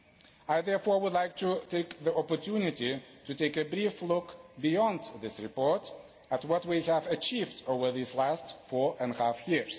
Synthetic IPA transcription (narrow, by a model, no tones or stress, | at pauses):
aɪðɛɹfɔɹwʊdˡlaɪk̚tutʰeɪkðiʔɔpə˞tʰunɪtitɨteɪkɨbɹiflʊkbiɔ̃nd̪ðɪsɹɨpɔɹt | ətwʌt̚wihævət͡ʃivdoʊvə˞ðizlæstfɔɹɨ̃nhæfjɪɹz̥